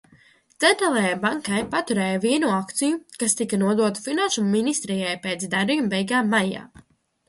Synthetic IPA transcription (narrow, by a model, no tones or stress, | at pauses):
t̪ɛnt̪ɾɛlˠɛjabaŋkajpat̪uɾɛːjaviɛnuakt̪sijukast̪ikanuɔd̪uɔt̪u̥finanʃumːinist̪ɾijajpet̪sd̪aɾijmbɛjɡaːmːaja̰ː